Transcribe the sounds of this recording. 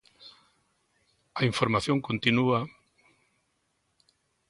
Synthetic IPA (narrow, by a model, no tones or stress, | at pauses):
aiɱfoɾmaθjõŋkont̪inua